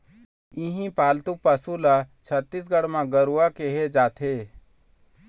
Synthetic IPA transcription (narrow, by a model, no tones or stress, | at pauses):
ĩɦĩpaːlt̪upəsulat͡ʃʰət̪ːis̬ɡəɽmãɡəɾuakeɦed͡ʒaːt̪ʰeː